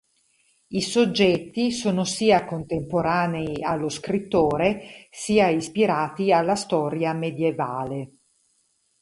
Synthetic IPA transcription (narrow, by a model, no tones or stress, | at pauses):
isod͡ʒːɛt̪ːisoːnosiːakont̪empoɾaːneialːoskɾit̪ːoːɾesiːaispiɾaːt̪ialːast̪ɔːɾjamed̪jevaːle